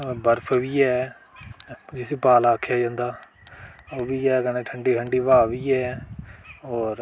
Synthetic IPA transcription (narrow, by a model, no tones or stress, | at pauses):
bəɾpʰʋiːɛː | d͡ʒɪsiːpaːlaːkʰːjaːd͡ʒãːnd̪aː | oːʋiːɛːkəneːʈʰəɳɖiːʈʰəɳɖiːʋaːʋiːɛː | ɔːɾ